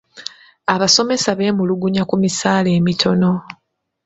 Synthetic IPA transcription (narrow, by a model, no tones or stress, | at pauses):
aβaso̞me̞saβe̞ːmuluɡuɲakumisaːle̞ːmitʰo̞no̞